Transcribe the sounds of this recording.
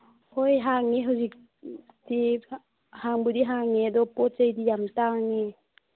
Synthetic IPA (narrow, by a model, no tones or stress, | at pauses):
hojɦaŋeɦuzik̚ | ti | haŋbudiɦaŋedɔpɔt͡ʃajdijamtaŋe